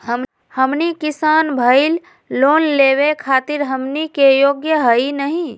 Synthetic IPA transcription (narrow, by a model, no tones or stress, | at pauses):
ɦəm | həmnikɪsaːnbʱəɪl | loːnleːwekʰaːt̪ɪɾɦəmnikejoːɡjəɦəinəɦĩ